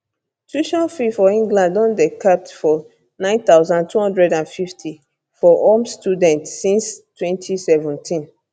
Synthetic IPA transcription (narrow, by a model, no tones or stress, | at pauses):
tuʃɔ̃nfifɔĩŋɡlãndɔ̃ndekʰap̚tfɔ | nãɪ̃nt̪aʊzãntʰuhɔ̃ndɹɛdãnfiftʰi | fɔʔɔmstudɛ̃ntsĩnstʰwɛ̃ntʰisɛvũntʰĩn